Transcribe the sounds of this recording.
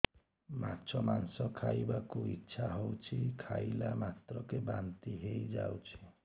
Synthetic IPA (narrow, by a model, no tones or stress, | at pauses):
ma̰t͡ʃʰɔmansɔkʰajbakuitːʃʰaɦowt͡ʃʰikʰajlamat̪ɾɔkebant̪iɦejd͡ʒa̰wt͡ʃʰi̥